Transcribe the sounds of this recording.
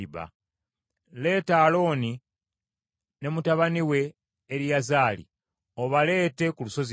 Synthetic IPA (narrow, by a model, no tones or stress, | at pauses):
βa̰ | le̞ːtalo̞ːni | ne̞mutaβaniwe̞ː | ɾijazaːlḭ | o̞βale̞ːte̞kuluso̞zi